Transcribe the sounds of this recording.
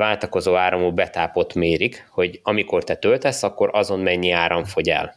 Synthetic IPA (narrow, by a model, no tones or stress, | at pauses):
vaːlt̪ɒko̞zoːaːɾɒmubɛt̪aːpo̞t̪meːɾikho̞ɟɒmiko̞rt̪ɛt̪ølt̪ɛsːɒkːo̞ɾɒzo̞nmɛɲːiaːɾɒɱfo̞ɟɛ̰l